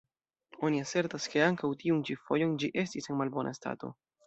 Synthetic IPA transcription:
o̞niaseɾtaske̞aŋkawtiunt͡ʃifo̞jo̞nd͡ʒiʔe̞stisenmalbo̞nʔa̰sta̰to̞̰

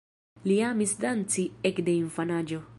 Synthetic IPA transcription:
liamisdant͡siekde̞infanad͡ʒo̞

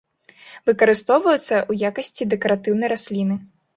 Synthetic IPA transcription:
vɨkɐɾɨst̪ɔwvɐjut̪sːɐʔujakɐsʲt͡sʲid̪ɛkɐɾat̪ɨwnɐjɾasʲlʲinɨ

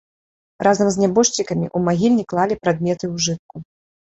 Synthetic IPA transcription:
rʔazɐmzʲnʲabɔʂt͡ɕʲikɐmʲḭʔumaɣʲilʲnʲiklˠalʲipɾad̪̚mʲɛt̪ɨwʐɨt̪̚ku

